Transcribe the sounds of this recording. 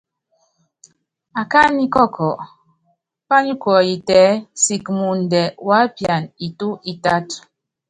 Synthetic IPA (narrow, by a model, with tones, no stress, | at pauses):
a˨ka˦ni˦kɔ˦˨kʰɔ˨ʔ | pa˦ɲu˦kɔ˨i˨tɛː˨˦si˨kmu˨n̩˨dɛ˨wa˦pja˨ni˨tu˦ʔi˦ta˦t